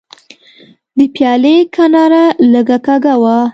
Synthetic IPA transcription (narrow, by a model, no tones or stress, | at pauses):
d̪əpjɑlekʰanɑɾaləɡakaɡawa